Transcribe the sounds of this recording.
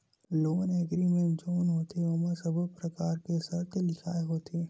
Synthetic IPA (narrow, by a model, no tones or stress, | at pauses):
loːnɛɡɾimẽd͡ʒoːnɦoːt̪eoməsəbəpɾɐkaːɾkesɐɾt̪lɪkʰaːeɦoːt̪ʰeː